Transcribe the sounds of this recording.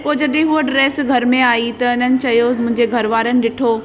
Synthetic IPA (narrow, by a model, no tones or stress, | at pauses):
poːd͡ʑɐɗɦẽɦuəɖɾeːsɡʱɐɾmẽaːit̪ɐɪnənɪ̆t͡ɕɐjomʊ̃ɦɪ̃ɲd͡ʑeɡʱɐɾʋaːɾənɪ̆ɗɪʈʰoː